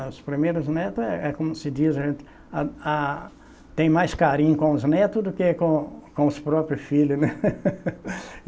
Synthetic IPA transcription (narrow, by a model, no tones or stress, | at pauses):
ʊspɾimejɾʊznet̪ʊɛʔɛkõmʊsɪd͡ʒizɐʒẽnt̪ɪ̥ | aa | t̪ẽj̃majskaɾĩɲʊkõʊznet̪ʊd̪ʊkekõkõʊspɾɔpɾjʊfilʊnɛ